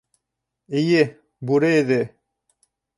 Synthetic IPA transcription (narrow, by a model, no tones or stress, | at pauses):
ije | buɾeed̪e